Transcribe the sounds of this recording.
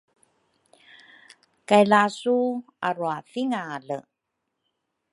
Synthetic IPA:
kajlasu | aɾuafiŋalə

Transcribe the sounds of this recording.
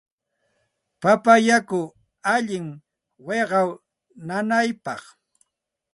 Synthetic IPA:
papajakʊ | aʎɪŋ | weɢɑw | nanajpɑχ

